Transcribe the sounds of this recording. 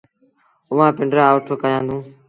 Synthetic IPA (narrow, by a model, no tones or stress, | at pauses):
ʊʋãːpɪɳɖɾaːʋʈʰokəjãːd̪ũː